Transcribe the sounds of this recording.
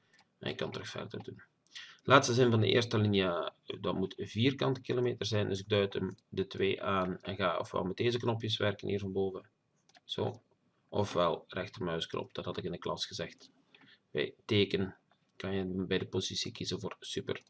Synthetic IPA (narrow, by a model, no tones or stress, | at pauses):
mʔɛ̰nɪkːɑntɾɵxfɛ̰rdərdun | lʔaːtstəzɪnvɑndə̰ʔḛːrstəlinjədɑtmutviːrkɑntkilomeːtərzɛjndɵs̬ɪɡ̚dœɥtəmdətweːʔaːnɛ̰nɣaːɔ̰fʋɛ̰lˠmɛt̚deːzəknɔpjəsʋɛrkənʔḭːrvɑnboːvə | z̥o̰ː | ʔɔfʋɛlˠrɛxtərmœɥsknʔɔ̰pd̥ɑthɑtɪkɪndəklʔɑsxəzɛxt | ʋɛ̰jteːkən | kɑnjəbɛjdəpozisikizənvoːrsypər